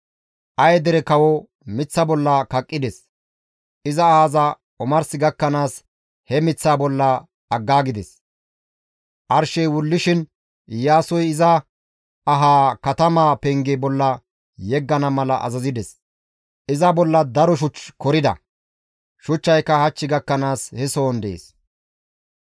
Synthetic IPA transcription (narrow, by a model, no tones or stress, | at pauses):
ʔɐjd̪ɛɾɛkɐwɔ | mɪt͡sːɐbɔlːɐkɐkʼːɪd̪ɛs | ʔɪzɐaːzɐ | ɔmɐɾsɪɡɐkːɐnaːs | hɛmɪt͡sːaːbɔlːɐ | ɐɡːaːɡɪd̪ɛs | ʔɐɾʃɛjwʊlːɪʃɪn | ɪjaːsɔjɪzɐ | ɐɦaːkɐt̪ɐmaːpɛŋɡebɔlːɐ | jɛɡːɐnɐmɐlɐʔɐ̰zɐzɪd̪ɛs | ʔɪzɐbɔlːɐd̪ɐɾɔʃ̬ʊt͡ʃːkɔɾɪd̪ɐ̰ | ʃʊt͡ʃːɐjkːɐhɐt͡ʃːɪɡɐkːɐnaːshɛso̞ːnd̪ḛːs